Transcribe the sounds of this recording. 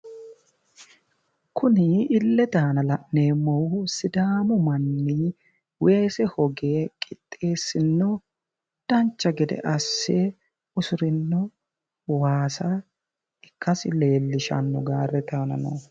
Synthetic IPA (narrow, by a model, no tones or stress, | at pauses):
kʰʊnɪɪlːɛt̪aːnɐlɐʔneːmːɔwsɪd̪aːmɔmɐnːɪ | weːsɛhɔɡeːkʼɪt̪ʼːe̞ːsːɪnːɔ | d̪̥ɐnt͡ʃːɐɡɪd̪ɛ̰ʔɐsːe | ʊsʊɾɪnːɔ | waːsɐ | ɪkːɐsɪle̞ːlːɪʃɐ̰nːɔɡaːrːɛt̪aːnɐ̰nɔ̰